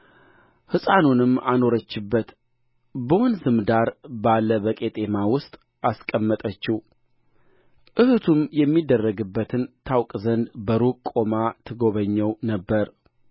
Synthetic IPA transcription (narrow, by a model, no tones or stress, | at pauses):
hɨsʼanunɨmano̞ɾət͡ʃːɪbːət̪ | bəwɔnzɨmd̪aɾbalːəβəkʼet̪ʼe̞mawʊst̪ʼ | askʼəmːət̪ʼət͡ʃːɪ | ʔɨhɨt̪ʰumjɛmːid̪ːərːəɡɨbːət̪ʰɨnt̪ʰawkʼzənd̪bəɾukʼːo̞mat̪ʰɨɡo̞βəɲːəwnəbːəɾ